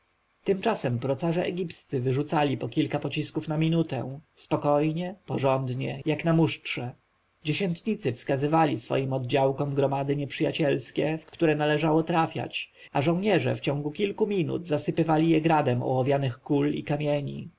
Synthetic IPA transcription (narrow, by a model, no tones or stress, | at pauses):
t̪ɘmt͡ʂasɛmpɾɔt̪saʐɛʔɛ̰ɡʲipst̪sɘvɘʐut̪salʲipɔkʲilkapɔt͡ɕiskufnamʲinut̪ɛ̰̃spɔkɔjɲɛpɔʐɔnd̪ɲɛjaknamuʂtʂɛ | d͡ʑeɕɛnt̪ɲit̪sɘfskazɘvalʲisfɔ̰jimɔd̪d͡ʑawkɔmɡɾɔmad̪ɘɲɛpʂɘjat͡ɕɛlskʲɛfkkt̪uɾɛnalɛʐawɔt̪ɾafʲja̰t͡ɕ | aʐɔ̃w̃ɲɛʐɛ̰ft͡ɕɔ̃ŋɡukʲilkumʲinṵd̪zasɘpɘvalʲijɛɡɾad̪ɛmɔ̰wɔvʲjanɘxkulḭkamʲjɛɲḭ